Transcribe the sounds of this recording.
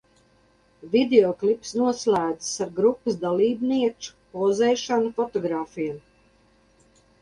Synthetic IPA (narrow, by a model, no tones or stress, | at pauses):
vʲid̪eɔklˠipsnuɔslʲˠæːd̪zɨ̥saɾɡɾupːɨsd̪alˠiːbniɛt͡ʃu̥pɔzɛːʃanufɔt̪ɔɡɾaːfijam